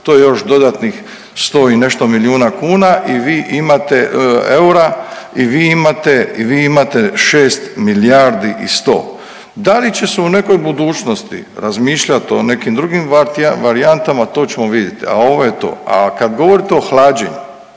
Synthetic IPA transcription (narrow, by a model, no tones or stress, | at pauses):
t̪ojejo̞ʃd̪o̞d̪at̪nix | st̪o̞ːine̞ʃt̪o̞miljuːnakuːnaʔiʋiːʔimat̪eeuɾaiʋiːimat̪eiʋiːimat̪e̞ʃeːst̪miliaɾd̪iʔḭst̪o̞̰ː | d̪alit͡ɕe̞seune̞ko̞jbud̪uːt͡ʃno̞st̪ḭɾazmiːʃʎat̪o̞ne̞kimd̪ɾuɡimaʋaɾiant̪amat̪o̞ːt͡ɕe̞mo̞ʋid̪jet̪ia̰o̞ʋojet̪o̞̰ːa̰kad̪ɡo̞ʋo̞ɾit̪eo̞xlaːd͡ʒḛɲu